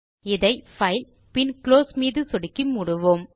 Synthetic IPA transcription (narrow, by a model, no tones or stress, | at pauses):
ɪðɐɪfɐɪl | pɪnkloːsmiːðɯsɔɽɪkːimʊɽʊʋoːm